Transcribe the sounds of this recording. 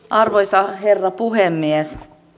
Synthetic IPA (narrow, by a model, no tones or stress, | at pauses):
ʔɑrʋoisɑherːɑpuhemːies